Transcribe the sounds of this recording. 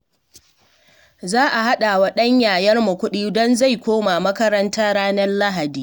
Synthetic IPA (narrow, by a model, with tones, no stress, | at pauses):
zaː˦ʔa˨ɦa˦ɗa˨wa˦ɗɐ˦ɲjaː˨jɐ˦rmu˨kʷʊ˦ɗiː˦dɔ˦nza˦˨jkʷoː˦ma˨mɐ˦kɐ˦ɾɐ˦ntaː˦ɽaː˦nɐ˦rla˦ɦa˨diː˦